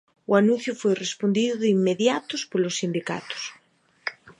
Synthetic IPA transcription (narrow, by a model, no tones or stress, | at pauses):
ʊanũnθjʊfojrespond̪iðʊðimːeðjat̪ʊspolosːind̪ika̰t̪ʊ̥s